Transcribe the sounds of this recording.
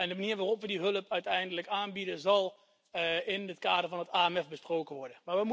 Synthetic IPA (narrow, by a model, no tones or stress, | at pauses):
ɛndəmaniːɹʋaːrɔpʋədiɦɵləpʰœɥtɛjndələkaːnbidənzɑlˠ | ɪnətkaːdəɹvɑnətaːɛmɛfbəsproːkənʋɔɹdənmaːʋəmu